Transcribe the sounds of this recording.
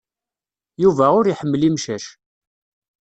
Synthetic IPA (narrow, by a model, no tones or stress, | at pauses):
juvæʊɾiħəmːlimʃæʃ